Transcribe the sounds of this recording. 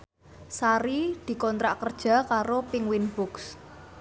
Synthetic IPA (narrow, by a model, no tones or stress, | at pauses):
saɾid̪̥i̤kɔnt̪ɾaʔkərd̥ʒ̥a̤kaɾopɪŋwinb̥ʊks